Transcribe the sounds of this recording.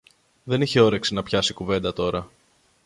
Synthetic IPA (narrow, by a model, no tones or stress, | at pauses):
ðe̞niçe̞o̞ɾe̞ksinɐpçɐsikuve̞nd̪ɐt̪o̞ɾɐ